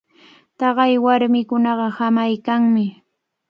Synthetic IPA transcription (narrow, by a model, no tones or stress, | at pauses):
t̪ɑɢɑjwaɾmɪkʊnɑɢɑhamajkaŋmɪ